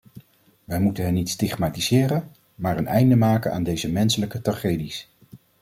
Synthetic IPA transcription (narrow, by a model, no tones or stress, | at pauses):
ʋɛjmutənɦɛnːitstɪχmaːtizɪːrən | maːɹənɛjndəmaːkəna̰ːndejzəmɛnsələkətraχejdis